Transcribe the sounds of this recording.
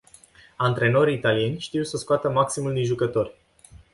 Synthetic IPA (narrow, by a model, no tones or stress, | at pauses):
ant̪ɾe̞no̞ɾiːt̪alie̞nʲʃt̪iwsəskoat̪əmaksimuld̪inʒukət̪o̞rʲ